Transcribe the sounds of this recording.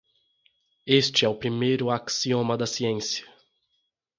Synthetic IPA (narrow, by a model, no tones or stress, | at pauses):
est͡ʃɪɛʊpɾimejɾʊaksiõmɐd̪ɐsiẽsiɐ̥